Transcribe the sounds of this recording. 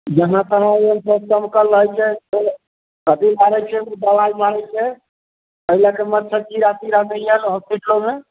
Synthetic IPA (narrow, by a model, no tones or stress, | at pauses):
d͡ʒəɦãt̪əɦãeɦənsəb̚səmkəɾəɦɛt͡ʃʰɛse | kət̪ibaɾɛt͡ʃʰɛud̪əlajmaɾɛt͡ʃʰɛ | əilakemət̪ːt͡ʃʰət͡ʃiɾat̪iɾanɛjlɦospiʈlome